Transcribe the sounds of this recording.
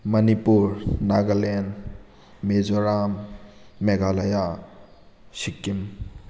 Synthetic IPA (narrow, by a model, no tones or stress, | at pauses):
mɐnipuɾnaɡalen | mezɔɾamː | eɡalaja | sikːim